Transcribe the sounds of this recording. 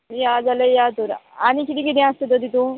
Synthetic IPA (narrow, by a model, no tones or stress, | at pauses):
ijad͡zaləjat̪oɾañikit̪iːkit̪̬ĩãst̪et̪əd̪ʱit̪ũ